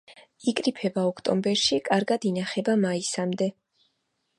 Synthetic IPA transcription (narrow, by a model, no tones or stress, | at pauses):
ikʼɾipʰɛbaɔkʰt̪ʼɔ̰mbɛɾʃikʼaɾɡad̪inaχɛbamaisamd̪ɛ